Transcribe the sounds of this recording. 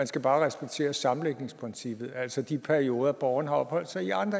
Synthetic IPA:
mænsɡ̥æb̥ɑ̈ːʁɛsb̥eɡ̥̚t͡sʰe̝̰ːɐsɑ̈m̩leɡ̥ne̝ŋspʰʁɛnsib̥ð̞̩ˠæl̰sɒd̥ipʰæɐio̝ːð̞ˠɐb̥ɒʊɐnhɑ̈ɒ̽b̥hɒ̽l̰d̥sɑ̈ɪiɑ̈nd̥ʁɐ

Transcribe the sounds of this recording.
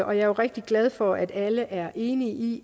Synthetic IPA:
ʔɒ̽jɑ̈joʁɛɡ̥̚d̥iɡ̥lɛð̞ˠfɒ̽ʔæd̥æləʔæɐʔe̝ːniʔi

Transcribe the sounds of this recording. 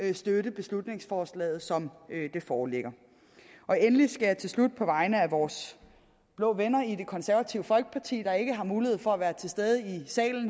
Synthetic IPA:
sd̥øɾəb̥e̝slud̥ne̝ŋsfɒːslɛ̰ːð̩ˠsɒ̽md̥e̝fɒːleɡ̥ɐ | ʔɒ̽enlisɡ̥æjɑ̈t͡sʰe̝lslud̥̚pʰɒ̽ʋɑ̈ɪnəæʋɒːs | b̥lɔ̰̽ːʋenɐide̝kʰɒ̽nsæɐʋæt͡sʰiʊəfɒ̽lɡ̥ə̥pʰɑ̈t͡sʰḭːd̥ɑ̈e̝ɡ̥əɦɑ̈muːlihḛfɒ̽æʋæːɐt͡sʰe̝lsd̥eð̞ˠəisɛ̰ːln̩

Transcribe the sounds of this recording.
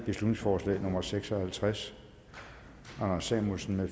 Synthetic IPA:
b̥e̝slud̥ne̝ŋsfɒːslɛ̰ːnɔ̽mɐseɡ̥sɒ̽hælt͡sʰʁas | ɑnɐsɛmusn̩me

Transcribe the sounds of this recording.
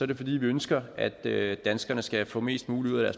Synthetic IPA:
ɒɐɾe̝fɒ̽d̥ḭːʋiønsɡ̥ɐæd̥ød̥ænsɡ̥ɐnəsɡ̥æfɔ̰̽ːme̝̰ːsd̥muːliuð̰ˠæɾ̥æɐs

